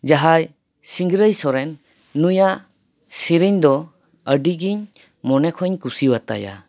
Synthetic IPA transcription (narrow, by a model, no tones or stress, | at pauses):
d͡ʒaɦaj | siŋɡɾəjsɔɾɛnː | ujaʔ | siɾiɲd̪ɔ | əɖiɡiɲ | mɔnɛkʰɔɲkusiwat̪a̰ja̰